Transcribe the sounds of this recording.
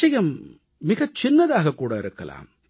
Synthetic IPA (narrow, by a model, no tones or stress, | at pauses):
ɐjɐmː | ɪɣɐt͡ʃɪnːɐðaːɣɐkːuːɽɐɪɾɯkːɐ̰la̰ːm